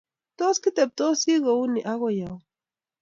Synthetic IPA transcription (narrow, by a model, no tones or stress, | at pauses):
t̪oskit̪ep̚t̪osiɣouniʔaɣojaw